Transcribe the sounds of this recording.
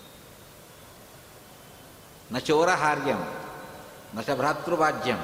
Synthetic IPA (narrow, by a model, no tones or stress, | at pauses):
nɐt͡ʃoːɾɐɦaːɾjɐm | nɐʃɐbʱɾaːt̪ɾubaːd͡ʒjɐm